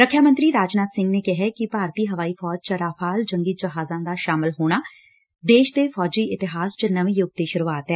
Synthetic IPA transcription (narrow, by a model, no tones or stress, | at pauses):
ɾəkʰjaːmə̃nt̪ɾiːɾaːd͡ʒnaːt̪sɪ̃ŋɡneːkɪɦɛkɪpaːɾt̪iːɦəʋaːiːfʰɔːd͡ʒt͡ʃəɾaːfʰaːld͡ʒəŋɡiːd͡ʒəɦaːzãːd̪aːʃaːmɪlɦoːɽ̃aː | d̪eːʃd̪eːfʰɔːd͡ʒiːʔɪt̪ɪɦaːsd͡ʒənəʋĩːjʊɡ̚d̪eːʃʊɾuaːt̪ɦɛː